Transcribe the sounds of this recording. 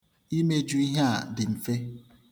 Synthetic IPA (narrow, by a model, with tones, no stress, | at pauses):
i˦me˦d͡ʒu˦i˦ɦa˦˨dɪ˨m̩˨fe˦